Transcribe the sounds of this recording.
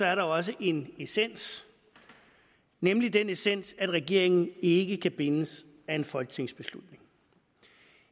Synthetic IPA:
sɒ̽æɐɾɑ̈ɒ̽s̬əʔe̝nesen̰s | nemlidenesen̰sæd̥ʁɛɡ̥e̝ɐ̰e̝ŋn̩e̝ɡ̥əkʰæb̥e̝nəs | æe̝nfɒ̽lɡ̥ət͡sʰe̝ŋ̰sb̥e̝slud̥ne̝ŋ

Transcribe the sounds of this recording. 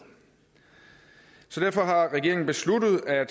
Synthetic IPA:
sɒ̽d̥æɐ̰fɒ̽ɦɑ̈ʁɛɡe̝ɐeŋn̩b̥e̝sludð̞̩ˠæd̥

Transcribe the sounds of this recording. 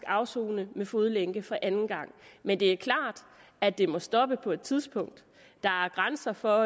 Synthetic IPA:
ɡ̥ɑ̈ʊso̝ːnəmefo̝ð̞ˠleŋɡ̥əfɒ̽ʔænn̩ɡ̥ɑ̈ŋ̰mend̥e̝æɐkʰlɑ̰̈ːd̥æd̥e̝mɒ̽sd̥ɒ̽b̥əpʰɒ̽e̝d̥̚t͡sʰið̞ˠsb̥ʰɔ̽ŋ̰d̥ | ɑ̈æɐɡ̥ʁansɐfɒ̽

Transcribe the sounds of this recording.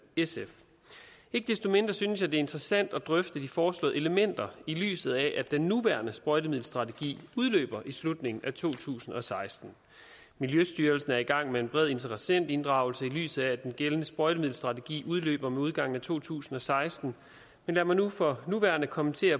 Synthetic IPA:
esef | e̝ɡ̥əd̥esd̥o̝me̝nd̥ʁɐsynəsjɑ̈ɪd̥e̝e̝nd̥ʁɛsæn̰d̥ɒd̥ʁœfd̥əd̥ifɒːslɔ̰̽ð̩ˠe̝ləmen̰d̥ɐily̰ːsð̩ˠæʔæd̥enːuʋæɐnəsb̥ʁɔɪdəmiðˠl̩sd̥ʁɑ̈t͡sʰeɡ̥ḭːuð̞ˠlø̰ːb̥ɐʔislud̥ne̝ŋn̩æt͡sʰo̝̰ːt͡sʰṵːsn̩ɒ̽sɑ̈ɪsd̥n̩ | miljøsd̥yːɐlsn̩æɐiɡ̥ɑ̈ŋ̰mee̝nb̥ʁɛðˠe̝nt͡sʰəʁəsen̰d̥e̝nd̥ʁɑ̈ʊlsəily̰ːsð̩ˠææd̥enɡ̥elənəsb̥ʁɔɪɾ̥əmiðˠl̩sd̥ʁɑ̈t͡sʰeɡ̥ḭːʔuð̞ˠlø̰ːb̥ɐmeuð̞ˠɡ̥ɑ̈ŋ̰n̩æt͡sʰo̝̰ːt͡sʰṵːsn̩ɒ̽sɑ̈ɪsd̥n̩ | menlæɐmænːufɒ̽nuʋæ̰ːɐnəkʰɒ̽mənt͡sʰe̝̰ːɐ

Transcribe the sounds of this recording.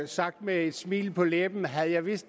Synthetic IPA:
sɑ̈ɡ̥̚d̥mee̝d̥smḭːlpʰɒ̽leb̥n̩ɦæð̞̩ˠjɑ̈ɪʋisd̥

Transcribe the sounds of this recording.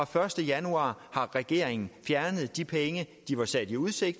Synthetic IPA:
ɒ̽fɶɐsd̥əjænuɑ̰̈ːhɑ̈ʁɛɡ̥e̝̰ːɐeŋn̩fjæɐnəð̞̩ˠd̥ipʰeŋəd̥iʋɑ̈sæd̥iuð̞ˠse̝ɡ̥̚d̥

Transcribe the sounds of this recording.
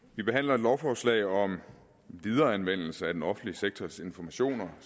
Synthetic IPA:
ʋib̥e̝ɦæn̰lɐe̝d̥lɒʊfɒːslɛ̰ɪɒ̽m | ʋið̞ˠɐːænʋen̰l̩səæd̥enɒ̽fn̩dliəseɡ̥̚t͡sʰɒse̝nfɒmæɕo̝̰ːnɐ

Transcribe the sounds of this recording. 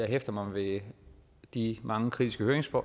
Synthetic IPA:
ɑɪɦefd̥ɐmɑ̈ʋe̝ | d̥imʔɑ̈ŋəkʰʁid̥isɡ̥əhøːɐeŋsfɒ̰

